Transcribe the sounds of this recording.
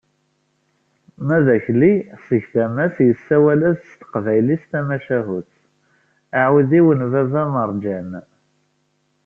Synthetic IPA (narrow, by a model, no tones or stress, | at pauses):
mæðæçlisəʝθæmæsjəsːæwælæsst̪ə̥qvæjlist̪æmæʃæɦut͡s | aʕuðiwənvævæməɾˤd͡ʒæn